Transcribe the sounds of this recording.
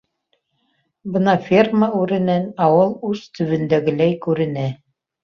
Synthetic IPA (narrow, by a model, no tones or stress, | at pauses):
bɤnɑfʲerməʉɾɘ̆nænɑwɤlˠʉzt̪ɵ̆βɘ̆nd̪æɡɘ̆læjkʉɾɘ̆næ